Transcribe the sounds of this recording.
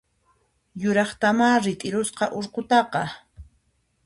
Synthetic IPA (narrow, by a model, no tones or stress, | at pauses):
jʊɾɑχt̪amaːɾɪt̪ʼɪɾʊsqɑʔoɾqʊt̪ɑqɑ